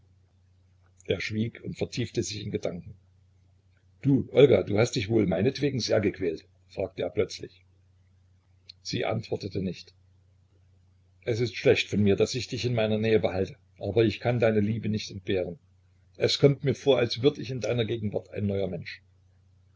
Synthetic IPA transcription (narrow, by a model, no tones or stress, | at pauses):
ʔeːɐʃv̥iːkʰʊntfɛɐtʰiːftəzɪçɪnɡədaŋkŋ̩ | d̥uːʔɔlɡaduːhast̚d̥ɪçv̥oːlmaɪnətv̥eːɡŋ̩zeːɐɡəkʰv̥ɛːlt | fʁ̥aːk̚təʔeːɐplœt͡slɪ̰ç | z̥ḭːʔa̰ntv̥ɔɐtətənɪçt | ʔɛsɪstʃlɛçtfɔnmiːɐd̥asɪçd̥ɪçɪnmaɪnɐnɛːəbəhaltə | ʔaːbɐɪçkʰandaɪnəliːbənɪçtɛnt̚b̥eːʁ̞ən | ʔɛskʰɔmtmiːɐfoːɐalsv̥ʏɐdəɪçɪndaɪnɐɡeːɡŋ̩va̰ɐtʰa̰ɪnːɔʏɐmɛnʃ